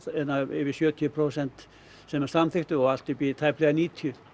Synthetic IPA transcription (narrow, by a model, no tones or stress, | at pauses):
ɛnːaɪ̰vɪsjœːt̪ʰipʰɾosɛnt̪ | sɛmɛɾ̥samθɪht̪ʏɔɣal̥t̪ɪpit̪ʰajplɛɣaniːt̪ʰʏ